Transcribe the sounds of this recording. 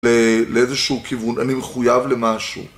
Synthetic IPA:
leleezeʃuːkʰivuna̰nimeχujavle̞maʃṵ

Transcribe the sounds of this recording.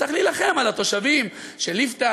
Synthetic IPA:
aχlilaχe̞malat̪o̞ʃavim | ʃelift̪a

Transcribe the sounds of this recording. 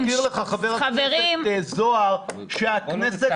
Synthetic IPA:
iʁləχaχaveʁaveʁimezoaʁ | ʃeaknɛsɛ

